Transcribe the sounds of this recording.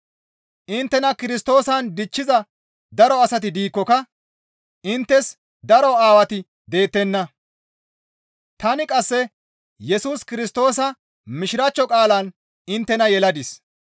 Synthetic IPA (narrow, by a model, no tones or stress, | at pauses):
ʔɪnt̪ːɛnɐkɪɾɪst̪o̞ːsɐnd̪ɪt͡ʃːɪzɐ | d̪ɐɾɔɐsɐt̪̬ɪd̪iːkːɔkɐ | ʔɪnt̪ːɛs | d̪ɐɾɔaːwɐt̪ɪ | d̪e̞ːt̪ːɛnːɐ | t̪ɐnɪkʼɐsːɛ | jɛsuːskɪɾɪst̪o̞ːsɐ | mɪʃɪɾɐt͡ʃːɔkʼaːlɐn | ɪnt̪ːɛnɐjɛlɐd̪ɪs